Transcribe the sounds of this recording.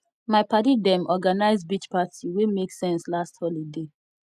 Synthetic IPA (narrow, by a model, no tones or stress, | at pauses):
maɪpatidɛ̃mʔɔɡanaɪzbit͡ʃpatʰiwemeksɛ̃nslasthɔlide